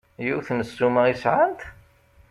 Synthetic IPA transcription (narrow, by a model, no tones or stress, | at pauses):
juθnəsːuməʁisʕant̪